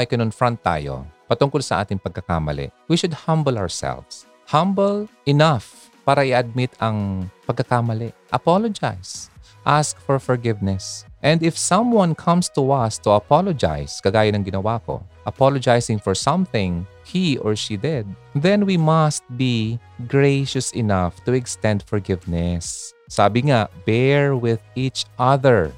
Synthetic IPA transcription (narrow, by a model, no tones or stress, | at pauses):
ʔajkɐnʊnfɹɐ̃nt̪ːa̰ːjo̰pɐt̪ʊŋkolsɐʔa̰ːt̪ɪŋpɐɡ̚kːɐka̰mɐ̰lɛ̰ʔwiʃʊd̪̚hɐ̃mbəlawɹsɛ̰lvs | hɐ̃mbɛlʔɪnaf | paːɾɐʔɪɐd̪̚mɪt̪ʰɐŋpɐɡ̚kɐkamɐlɛʔʔɐpalod͡ʒa̰js | ʔask̚fɔɹfɔɹɡɪvnɛsʔɛ̃nd̪ɪfsɐ̃mwɐ̃nkʰɐ̃mst̪uʔɐst̪ʊɐpalod͡ʒa̰jskɐɡaːjɐnɐŋɡɪnɐwako̰ʔɐpalod͡ʒajsɪŋfɔɹsɐ̃mθɪ̃ŋ | hiʔɔɹʃid̪ɛd̪̚ðɛ̃nwimɐst̪̚biɡɹejʃɐsɪnaft̪ʊɛkst̪ɛ̃nd̪fɔɹɡɪvnɛsː | aːbɪŋabɛɹwɪðit͡ʃʔɐðɛɹ